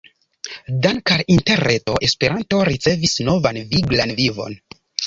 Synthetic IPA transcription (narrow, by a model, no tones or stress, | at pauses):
daŋkaɾinte̞ɾeto̞ʔe̞spe̞ɾʔanto̞ɾit͡se̞visno̞vanviɡlanvivo̞̰n